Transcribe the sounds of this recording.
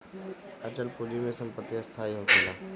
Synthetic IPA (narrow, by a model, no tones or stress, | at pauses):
ɐt͡ɕəlpoːd͡ʒimẽsɐ̃mpət̪iɐst̪ʰaːiɦot̪ʰeːlaː